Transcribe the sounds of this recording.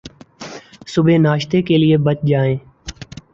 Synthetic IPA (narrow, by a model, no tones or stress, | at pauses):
sʊbʱeːnaːʃt̪eːkeːlɪeːbət͡ʃd͡ʒaːẽː